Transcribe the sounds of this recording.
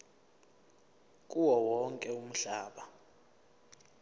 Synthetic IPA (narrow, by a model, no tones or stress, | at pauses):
k̬ʼuwɔwɔŋkʼɛum̩ɬaːɓa